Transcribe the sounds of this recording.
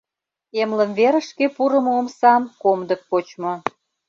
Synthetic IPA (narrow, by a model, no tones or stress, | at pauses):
emlə̆mveɾə̆ʃkepuɾə̆moomsɑmkomd̪ə̆k̚pot͡ɕmŏ